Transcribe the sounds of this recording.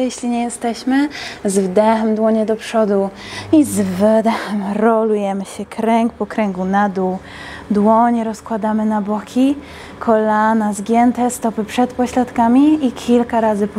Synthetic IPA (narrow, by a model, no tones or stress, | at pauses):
jɛɕlʲiɲɛjɛst̪ɛɕmɘzvd̪ɛxɛmd̪wɔɲɛd̪ɔpʂɔd̪u | izvd̪ɛxɛmɾɔlujɛmɘɕɛkɾɛŋkpɔkɾɛŋɡunad̪u | d̪wɔɲɛɾɔskwad̪amɘnabɔkʲʰi | kʰɔlanazɡʲjɛnt̪ɛst̪ɔpɘpʂɛt̪pɔɕlat̪kamʲiikʲʰilkaɾazɘp